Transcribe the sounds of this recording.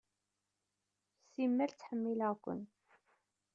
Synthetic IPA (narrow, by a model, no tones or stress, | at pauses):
simːælt͡sːħəmːiləʁkʷə̰n